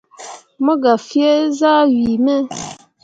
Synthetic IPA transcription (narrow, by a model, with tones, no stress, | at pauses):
mə˦ɡa˨fjɛ˦za˦ɥi˨mɛ˦